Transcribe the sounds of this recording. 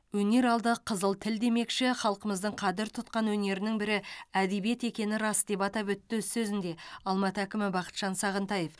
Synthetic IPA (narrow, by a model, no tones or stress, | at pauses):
wɵne̞ɾɑlˠd̪əqʰəzəlˠt̪ʰɪld̪e̞me̞kʃɪχɑlˠqəməzd̪əɴqʰɑd̪ɪɾt̪ʰʊt̪̚qɑnwɵne̞ɾɪnɪŋbɪɾɪæd̪e̞bije̞t̪e̞kʲe̞nɪɾɑsd̪e̞pɑt̪ɑpɵt̪ːzsɵzɪnd̪e̞ɑlˠmɑt̪əækʲɪmɪbɑqə̥t̪ʒ̥ɑnsɑʁənt̪ɑje̞f